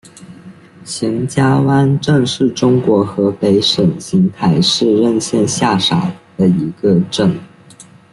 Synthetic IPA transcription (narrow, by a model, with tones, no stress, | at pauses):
ɕi˧˥ŋt͡ɕja˥wa˥nʈ͡ʂɤ˥˧ŋʂɻ̩˥˩ʈ͡ʂʊ˥ŋkwɔ˧˥xɤ˧˥pe˧˥ɪʂə˨˩nɕi˧˥ŋt̪ʰa˧˥ɪʂɻ̩˥˧ɻə˥˧nɕjɛ˥˧nɕja˥˩ʂa˨˩d̪̥ə˦i˧˥ɡə˧ʈ͡ʂə˥˩ŋ